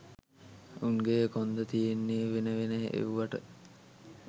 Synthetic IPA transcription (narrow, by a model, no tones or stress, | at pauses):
uŋɡeːkond̪ət̪ijenːiːʋenəʋeneɦḛʔḛʋuʋaʈə